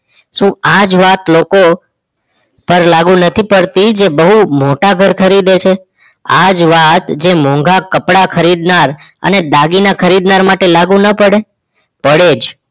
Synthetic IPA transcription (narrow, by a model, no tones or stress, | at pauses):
ʃũad͡ʒʋat̪loko | pəɾlaɡũnət̪ʰipəɽt̪id͡ʒebəɦumoʈaɡʱəɾkʰəɾid̪et͡ʃʰe | a̰d͡ʒʋat̪d͡ʒemɔ̃ŋɡʱakəpɽakʰəɾid̪naɾə̰ned̪aɡinakʰəɾid̪naɾmaʈelaɡũnəpəɽe | pəɽed͡ʒ